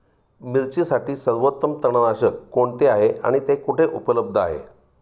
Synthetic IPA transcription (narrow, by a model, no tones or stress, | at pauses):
miɾt͡ɕisaʈiːsəɾʋot̪ːəmt̪əɳ̃ənaɕəkːoɳt̪eaɦea̰ɽ̃it̪ekuʈʰeʔupələb̚d̪ʱəa̰ɦḛ